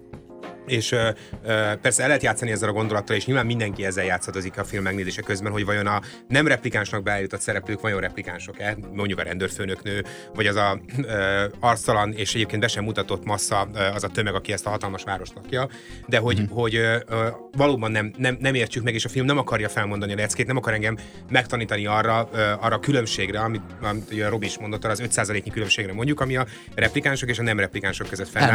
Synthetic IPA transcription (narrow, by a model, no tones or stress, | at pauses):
eːʃøøːpɛrsɛɛlːɛɦɛt̪jaːt̪sːɒniɛzːɛlɒɡo̞nd̪o̞lɒt̪ːɒleːʃɲilvaːmːind̪ɛŋkiɛzːɛjaːt̪sːɒt̪ozikɒfilmːɛɡneːzeːʃɛkøzbɛnɦo̞ɟvɒjo̞nɒ | nɛmrɛplikaːnʃnɒɡ̚bɛɛːjut̪ot̪sɛɾɛpløːkʋɒjo̞nrɛplikaːnʃo̞kɛmo̞ɲɟukɒɾɛ̰nd̪øːrføːnøknøː | vɒɟɒzɒøɒrt̪st̪ɒlɒneːʃɛɟeːpkeːnbɛʃɛmːut̪ɒt̪o̞t̪ːmɒsːɒɒzɒt̪ømɛɡɒkiɛst̪ɒɦɒt̪ɒlmɒʃʋaːɾo̞ʃt̪lɒkjɒ | d̪ɛɦo̞ɟɦo̞ɟø | vɒloːbɒnːɛmnɛmnɛmeːrt͡ʃykmɛɡeːʃɒfilmnɛmɒkɒrjɒfɛlmo̞nd̪ɒniɒlɛt̪skeːt̪nɛmɒkɒɾɛŋɡɛmː | ɛk̚t̪ɒniːt̪ɒniɒrːɒøɒrːɒkylø̞mʃeːɡrɛɒmit̪ɒmit̪ojɾo̞binʃmond̪ot̪ːɒrɒːzøt̪saːzɒleːkɲikylømʃeːɡɾɛmo̞ɲɟukɒmiɒ | rɛplikaːnʃo̞keːʃɒnɛmrɛplikaːnʃo̞kːøzøt̪fɛnː